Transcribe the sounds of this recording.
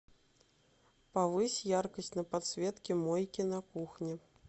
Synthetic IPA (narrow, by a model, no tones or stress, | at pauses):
pavɨsʲjarkɐsʲt͡sʲnɐpat̪sʲvʲɛt̪kʲimɔjkʲinɐkuxnʲi